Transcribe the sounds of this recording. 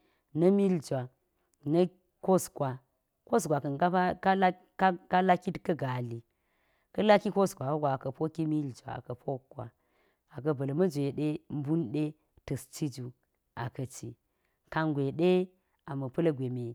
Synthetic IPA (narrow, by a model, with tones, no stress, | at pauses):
nɐ˦mi˦ld͡ʒʷa˨ | nɐ˦ | ko˦skʷwa˨ | ko˦skʷa˨kɐ˨na˦a˦ka˦ | a˦ka˦la˦ki˦tkɐ˦ɡa˨li˨ | kɐ˦la˦ki˦ko˦skʷa˨o˦ɡʷa˨kɐ˨po˦ki˦mi˦ld͡ʒʷa̰˨a̰˨kɐ˨pʰo˦kʷːwa̰˨ | a˨k̬ɐ˨bɐ˨lmɐ˦d͡ʒʷe˨ɗe˦m̩˦bu˦nɗe˦ | tɐ˨st͡ʃi˦d͡ʒu˨ | a̰˨kɐ˨t͡ʃi˨ | ka˨ŋɡʷe˨ɗe˦ | a˨mɐ˨pɐ˦lɐ˦ɡʷe˨me˨